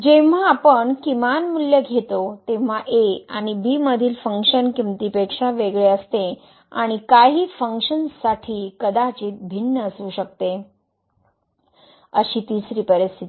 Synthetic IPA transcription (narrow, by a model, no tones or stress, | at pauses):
d͡ʑeʋ̤aːpəɳkimanmuljəɡʱet̪ot̪em̤aʔea̰ɽ̃ibiːməd̪ʱiːlfəŋkɕənkimt̪ipekʂaʋeɡɭeəst̪e | a̰ɽ̃ikaɦiːfəŋkʂənsaʈʰiːkəd̪at͡ɕiːt̪̚bʱinːəəsuːɕək̚t̪e | əɕiːt̪iːsɾiːpəɾist̪ʰit̪i